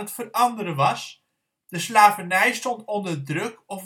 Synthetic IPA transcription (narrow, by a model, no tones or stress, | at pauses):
ətfərɑndəɾəʋɑs | d̥əslaːvanɛjstɔntɔndərdrɵkɔf